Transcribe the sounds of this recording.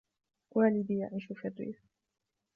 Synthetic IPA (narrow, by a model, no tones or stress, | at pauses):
wʔaːlɪd̪ijaʕiːʃufirːḭːf